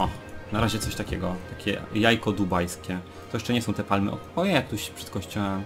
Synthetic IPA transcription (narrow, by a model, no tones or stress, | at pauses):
ɔ | naɾaʑɛt̪sɔɕʲt̪akʲɛɡɔt̪akʲɛ̰jajkɔd̪ubajskʲɛ | t̪ɔjɛʂt͡ʂɛɲɛsɔ̃w̃t̪ɛpalmɘ̰ʔɔ̰ɔjɛt̪uɕpʂɛ̥t̪kɔɕt͡ɕɔwɛm